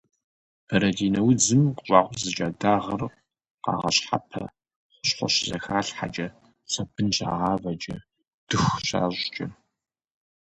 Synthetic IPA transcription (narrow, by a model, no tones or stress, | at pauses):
bɐɾɐdiːnɐwid͡zɨmqʷʼɕʷʼɑːʁʷzɨt͡ʃʼaːdaːʁɐr | qɑ̰ːʁɐ̰ɕħa̰pʰɐ̰ | χʷʊ̥ɕχʷɔ̰ɕɪzɐ̰xaːɬħa̰d͡ʒʼɐ | sɐbɨnɕʼa̰ːʁɑːvɐd͡ʒʼɐ | d̥ɨxʷɕa̰ːɕʼt͡ʃʼɐ